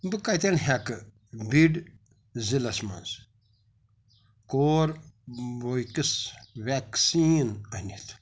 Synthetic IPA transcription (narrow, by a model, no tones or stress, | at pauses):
bɨkajt̪enɦakɨ | biɖ | zilɐsmɐ̰nz | koːɾbojkɨsʋaksiːnɐnʲit̪ʰ